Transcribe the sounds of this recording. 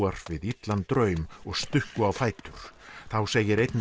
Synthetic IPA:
aɾ̥vɪðit̪lant̪ɾœɥmɔɣst̪ʏhkʏawfaːjt̪ʏɾ̥θawseːjɪɾejt̪n

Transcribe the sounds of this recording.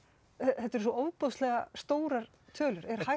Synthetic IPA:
ɛθɛt̪ːɛɾsɔoːwpowslɛɣast̪oːwɾaɾ̥ | t̪ʰœːlʏɾɛɾ̥ha

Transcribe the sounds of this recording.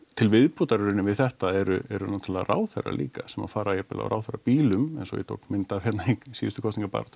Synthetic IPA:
t̪ʰɪlvɪðput̪aɾʏɾɪnɪmvɪðθɛht̪aɛɾʏɛɾʏnoːt̪ʰɪlaðaɾʔa̰ːwθɛ̰ra̰lʔḭːkasɛma̰faːɾajɛpɪla̰ɔ̰ɾʔa̰ːwθɛɾa̰piːlʏmɛ̰nsɔ̰jɛ̰t̪ʰo̰wkmɪnt̪avçjɛt̪naiksiːʏst̪ʏkʰɔwst̪niŋkapa̰ːɾat̪

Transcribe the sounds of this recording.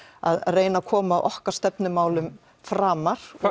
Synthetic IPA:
a̰ðreːjnakʰɔːmaʔɔhkaɾ̥st̪ɛpnɪmaːwlʏm | fɾaːmaɾ̥

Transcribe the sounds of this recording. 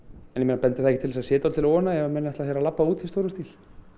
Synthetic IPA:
ɛnjɛmeːnapɛnt̪ɪ̥θaɛcɪt̪ʰɪlvɛsasjɛːt̪ɔlt̪ʰɪlɔːnaɛvamɛnaɛt̪aθjeɾalapːauːt̪ist̪oːwɾʏmst̪il̥

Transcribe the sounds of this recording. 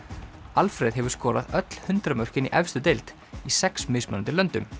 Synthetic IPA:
alfɾɛðɦɛvʏɾ̥skɔːɾa̰ðœt̪l̥hʏnt̪ɾamœr̥cɪnḭʔɛfst̪ʏt̪elt̪ | isɛksmejsmannt̪ɪlœnt̪ʏm

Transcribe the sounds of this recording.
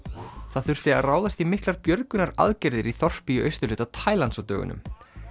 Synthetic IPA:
θaðθʏr̥t̪ɪa̰ðraːwðast̪imɪhklaɾpjœɾkʏnaɾa̰ðcɛɾðɪɾiθɔr̥pijʏœ̰ɥst̪ʏlʏːt̪at̪ʰaːjlansawt̪œːɣʏ̰nʏ̰m

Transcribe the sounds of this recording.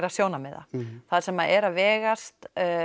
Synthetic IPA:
ɾaðsjoːwnamɛða̰θaðsɛmaðɛɾavɛːɣast̪

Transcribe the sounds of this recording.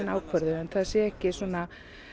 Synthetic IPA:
naːwkʰvœɾðʏɛnθaðsjɛɛhcɪsuɔna

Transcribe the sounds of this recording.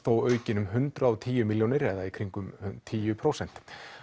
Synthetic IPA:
θoːwœːɥcɪnʏmɦʏnt̪ɾaɔwt̪ʰiːjʏmiljoːnɪɾɛðaikʰɾiŋkʏmt̪ʰiːjʏpʰɾowsɛn̥t̪

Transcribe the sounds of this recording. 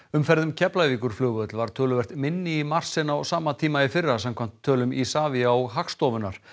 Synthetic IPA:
ʏmfɛɾðʏmcʰɛplajviːkʏɾ̥flʏːɣʏœt̪lvaɾ̥t̪ʰœːlʏvɛr̥t̪mɪnːɪːmar̥sɪnawɔsaːmat̪ʰiːmaɪfɪɾasamkʰvam̥t̪ʰːœːlʏmisaːviaɔɣɦakst̪ɔːvʏnːaɾ̥

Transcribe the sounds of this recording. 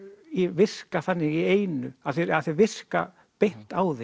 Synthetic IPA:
ivɪr̥kaθanːɪɣieːjnʏaθeɾaðθevɪr̥ka̰ | pejn̥t̪aːwðe

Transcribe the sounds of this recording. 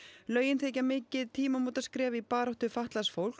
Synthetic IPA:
lœːɥjɪnθejcamɪːcɪðt̪ʰiːmamuːt̪askɾɛːvɪipaːɾaht̪ʏfaht̪lasfowl̥k

